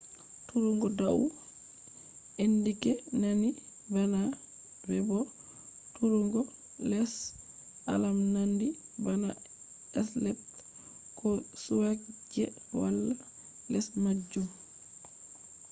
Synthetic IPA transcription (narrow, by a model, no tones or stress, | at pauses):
tuɾuŋɡɔdaw | enːdikɛnani | bana | bɛbɔ | tuɾuŋɡɔ | lɛs | a̰lamnandibana | ɛslɛt | kɔsuwakd͡ʒɛ | wa̰lːa | lɛsmad͡ʒːum